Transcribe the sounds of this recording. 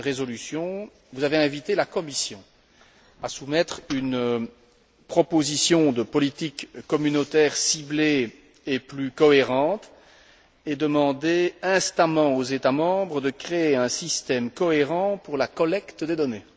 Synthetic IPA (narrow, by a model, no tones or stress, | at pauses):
ʁezɔlysjɔ̃ | vuzaveɛ̃vit̪elakɔmisjɔ̃ | asumɛt̪χyn | pχɔpozisjɔ̃d̪əpɔlit̪ikːɔmynot̪ɛːʁsible | eplykɔeʁɑ̃t̪ | ed̪əmɑ̃d̪eɛ̃st̪amɑ̃ozet̪amɑ̃bʁəd̪əkχeeɛ̃sist̪ɛmkɔeʁɑ̃puʁlakɔlɛkt̪d̪ed̪ɔne